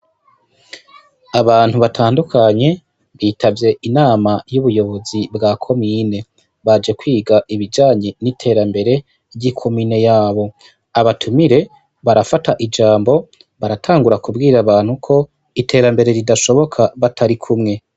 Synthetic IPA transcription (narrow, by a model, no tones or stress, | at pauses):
aβaːn̥huβatʰaːndukʰaɲe̞ | βiːtʰavje̞ʔinaːmajuβujo̞βo̞zibɡakʰo̞miːne̞ | βad͡ʒe̞kwiːɡaʔiβid͡ʒaːɲe̞nitʰe̞ːɾambe̞ɾe̞ | jikʰo̞miːne̞jaːβo̞ | aβatʰumiɾe̞ | βaɾafataʔid͡ʒaːmbo̞ | βaɾatʰaːŋɡuɾakubɡiːɾaβaːn̥hukʰo̞ | itʰe̞ːɾambe̞ɾe̞ɾidaʃo̞βo̞kʰaβatʰaɾikʰumŋe̞